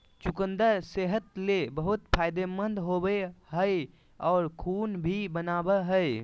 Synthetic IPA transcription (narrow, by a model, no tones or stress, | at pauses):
t͡ʃukənd̪əɾseɦət̪lebəɦut̪pʰajd̪emənd̪ɦobeɦəj | ɔːɾkʰunbʱibənabəɦə